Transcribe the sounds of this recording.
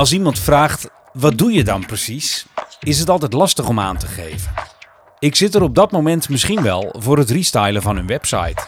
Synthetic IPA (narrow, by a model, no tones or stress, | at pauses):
ɑlˠs̬imɑntfraːχt | ʋɑt̚dujədɑnprəsisɪs̬ɦətɑlˠtɛjtlɑstəχɔma̰ːntəχejvən | ɪksɪtəɾɔb̚dɑtmomɛntmɪsχinʋɛ̰lˠvʊːɾətristajləvɑnɵnʋɛpsɑ̰jt